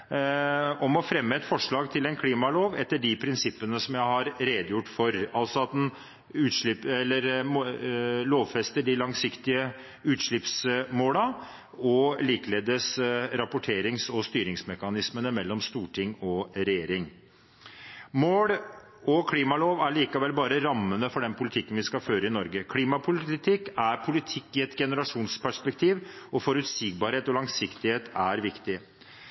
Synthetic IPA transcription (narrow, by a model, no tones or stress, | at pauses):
ɔmɔfɾɛmːəɛt̪fɔʂɭɑːɡt̪ʰɪlɛnkʰliːmɑloːʋɛt̪ːəɖɪpʰɾɪnsɪpːənəsɔmjæɪhɑɾɾeːd̪əjʊʈːfɔɾɑlsɔɑt̪̚d̪ɛn | ʉːt̪ʂɭɪpɛlːəɾm | loːʋfɛst̪əɖɪlɑŋsɪkt̪ɪə | ʉːt̪ʂɭɪpsmoːlɑ | ɔliːkleːd̪əsɾɑpʊʈʰeːɾɪŋsɔst̪yːɾɪŋsmɛkɑnɪsmənəmɛlːɔmst̪uːʈʰɪŋːɔɾɛjeːɾɪŋ | moːɽ | ɔkʰliːmɑloːʋæɭiːkɑʋɛlːbɑːɾəɾɑmːənəfɔɖɛnpʰʊlɪt̪ʰɪkːənʋɪskɑføːɾəɪnɔɾɡəkʰliːmɑpʰʊlɪt̪ʰɪkːæɾpʰʊlɪt̪ʰɪkːɪɛt̪ɡɛnəɾɑʂuːnspʰæʂpɛk̚t̪ʰiːʋɔfɔɾʉt̪siːɡ̚bɑːɾheːt̪ɔlɑŋsɪkt̪ɪheːt̪ʰæɾʋɪkt̪ɪ